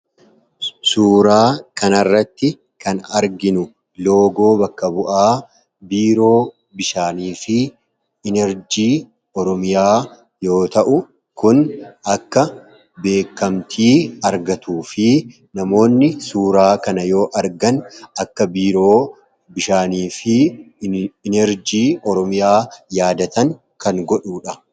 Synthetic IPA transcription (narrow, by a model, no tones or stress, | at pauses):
suːɾaːkɐnɐrːɐt̪ːɪ | kʰɐnɐɾɡɪnʊ | lo̞ːɡo̞ːbɐkːɐbʊʔaː | biːɾo̞ː | bɪʃaːniːfɪː | nɛɾd͡ʒiː | ɔɾɔmɪjaː | jo̞ːt̪ɐʔʊ | kʊnɐkːɐ | be̞ːkːɐmt̪ʰiːɐɾɡɐt̪uːfɪ | nɐmo̞ːnːɪsuːɾaːkɐnɐjo̞ːʔɐɾɡɐnɐkːɐbiːɾoː | bɪʃaːniːfɪ | ɪnɛɾd͡ʒiːɔɾɔmɪjaːjaːd̪ɐt̪ɐŋ | kʰɐŋɡɔᶑuːᶑɐ